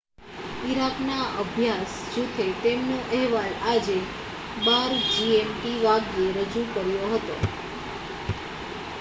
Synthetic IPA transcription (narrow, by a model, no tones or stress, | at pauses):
iɾaknaəbʱjasd͡ʒut̪ʰet̪emnõʔɛɦʋalad͡ʒe | baɾd͡ʒiemʈiʋaɡjeɾəd͡ʒukəɾjoɦət̪o̰